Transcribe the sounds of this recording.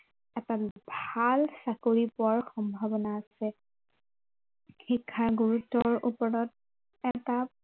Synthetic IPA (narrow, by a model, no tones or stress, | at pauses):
ɛtabʱalsakoɹipʊaɹxɔmbʱabɔnaːsɛ | xikʰːaɹɡuɹutːɔɹṵpɔɹɔt̚ | ɛta